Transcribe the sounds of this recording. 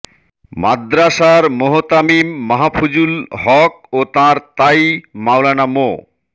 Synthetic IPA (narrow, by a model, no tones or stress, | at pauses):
ma̰d̪ɾaʃaɾmoɦot̪amimːaɦafʰud͡ʑulɦɔk̚ot̪ãɾt̪ajmawlanamo̰